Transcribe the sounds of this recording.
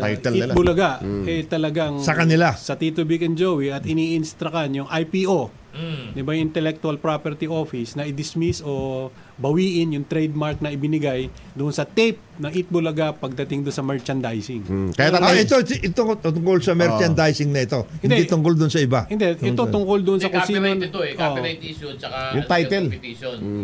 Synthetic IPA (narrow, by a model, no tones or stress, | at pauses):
sjibolɐɡaʔʔɛt̪ɐlɐɡaŋsɐkɐnɪlasɐt̪it̪ʊbikɛnd͡ʒowiʔɐt̪ɪniʔɪnst̪ɾɐkanjʊŋʔajpiʔo̞ | d̪ɪbajʊŋɪ̃nt̪ɛlɛk̚t̪ʊɐlpɾapɛɾt̪iʔo̞fɪsnɐʔɪd̪ɪsmiso̞ | bɐwiːʔɪnjʊŋt̪ɾɛjd̪̚maɾk̚nɐɪbɪnɪɡaj | d̪ʊʔonsɐt̪ejp̚nɐʔit̪̚bolɐɡapɐɡ̚d̪ɐt̪ɪŋd̪ʊnsɐmɛɹt͡ʃɐnd̪ajsɪŋkɐjat̪ːaaɛt̪oʔɪt̪ot̪ʊŋkolsɐmɛɾt͡ʃɐnd̪ajsɪŋnɐɪt̪o̞ɪ̃nd̪d̪ɛt̪ʊŋkold̪ʊʔnsɐɪbahɪnd̪ɛʔɛt̪ot̪ʊŋkold̪ʊʔonssɐkʊsiont̪ʔoʔt̪iʃont͡ʃɐkajʊŋt̪ajt̪ɛlon